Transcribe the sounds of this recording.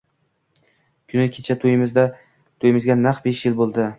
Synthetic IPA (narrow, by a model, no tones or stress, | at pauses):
kʲʰʊnɪkʲʰet͡ʃʰat̪ʰojɪmɪzd̪a | t̪ʰojɪmɪzɡʲanaχbeʃjɪlbolˠd̪ɪ